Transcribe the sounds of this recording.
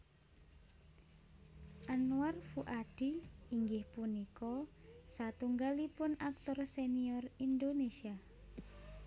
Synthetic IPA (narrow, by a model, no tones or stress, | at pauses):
ʔanuarfuʔaɖ̥iiŋɡɪhpunikɔsat̪uŋɡalipʊnak̚t̪ɔrseniɔrind̪onesia